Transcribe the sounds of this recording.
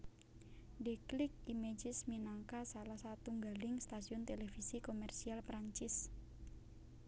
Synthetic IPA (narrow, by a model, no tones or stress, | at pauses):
deklɪk̚imed͡ʒɪsminaŋkasalahsat̪uŋɡalɪŋst̪asiʊnt̪elefisikomɛrsialpɾaɲt͡ʃɪs